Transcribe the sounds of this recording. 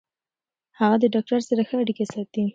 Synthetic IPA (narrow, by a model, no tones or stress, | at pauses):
haɣad̪əɖɑk̚ʈaɾsaɾaxəaɽikesɑt̪i